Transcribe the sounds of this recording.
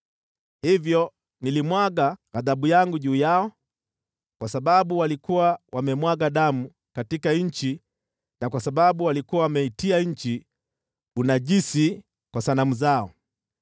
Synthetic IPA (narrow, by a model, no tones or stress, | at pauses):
hivjɔ | nilimwaɠaaðaɓujaŋɡuʄuːjaɔ | kwasaɓaɓuwalikuwawamɛmwaɠaɗamu | katikaɲ̩t͡ʃi | nakwasaɓaɓuwalikuwawamɛitiaɲ̩t͡ʃi | unaʄisi | kwasanamuzaɔ̰